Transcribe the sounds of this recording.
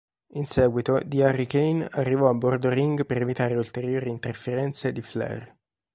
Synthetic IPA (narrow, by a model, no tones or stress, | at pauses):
insɛːɡwit̪od̪iarikejnarːivɔabːord̪oɾiŋɡpeɾevit̪aːɾeult̪eɾjoːɾiːnt̪erfeɾɛnt̪sed̪iflɛ̰r